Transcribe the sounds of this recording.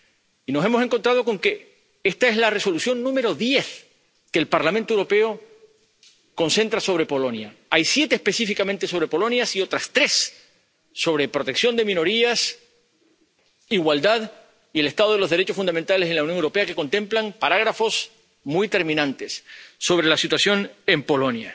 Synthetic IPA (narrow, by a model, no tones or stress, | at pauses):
ino̞se̞mose̞ŋkont̪ɾaðo̞ko̞ŋke̞ | est̪aezlare̞so̞lusjo̞nːũme̞ɾo̞ðje̞θ | keːlpaɾlamẽnt̪owɾo̞pe̞o̞ | ko̞nse̞nt̪ɾaso̞βɾe̞po̞lo̞njaajsje̞t̪eːspe̞sifikamẽ̞nt̪e̞so̞βɾe̞po̞lo̞njasio̞t̪ɾast̪ɾe̞sː | o̞βɾe̞pɾo̞t̪eksjo̞nd̪e̞mĩno̞ɾias | iɣwald̪að | iele̞st̪aðo̞ðeloðeet͡ʃosfund̪ament̪alese̞nlawnjoŋewɾopeake̞ko̞nt̪ẽ̞mplaŋpaɾaɣɾafo̞s | mujt̪e̞ɾmĩnãnt̪e̞sːo̞β̞ɾe̞lasit̪wasjo̞nempo̞lo̞nja